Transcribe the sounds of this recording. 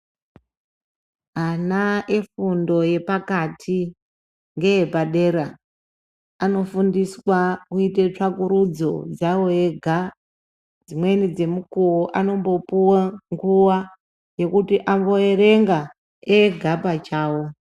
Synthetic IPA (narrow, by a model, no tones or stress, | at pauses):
anae̞fundo̞je̞pakatʰi | ŋɡe̞jepaɗe̞ɾa | ano̞fundiswakuitet͡ʂakuɾud͡zo̞̰d͡zawo̞eɡʱa | d͡zimwe̞nid͡ze̞mukuoʔano̞mbo̞puwaŋɡuwa | je̞kutiʔambo̞eɾe̞ŋɡa | eɡʱabat͡ʃaːwo̞